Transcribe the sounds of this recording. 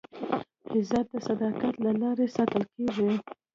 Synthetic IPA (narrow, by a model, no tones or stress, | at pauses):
hɪzɑt̪̚d̪əsad̪ɑkat̪lalɑɾesɑt̪əlkeʐi